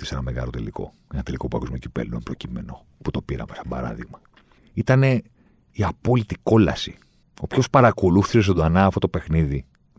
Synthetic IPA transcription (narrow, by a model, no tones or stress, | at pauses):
isenɐme̞ɣɐ̰lo̞t̪e̞liko̞̰ | enɐt̪e̞liko̞puɐ̰kuzmocipḛlo̰mpɾo̞cime̞̰no̞ | put̪o̞piɾɐ̰mesɐmbɐ̰ɾɐ̰ðiɣmɐ | it̪ɐne̞ | iɐpo̞lit̪iko̞lɐsi | o̞pço̞spɐɾɐko̞luθises̬t̪od̪oɐnɐːft̪ot̪ope̞xniði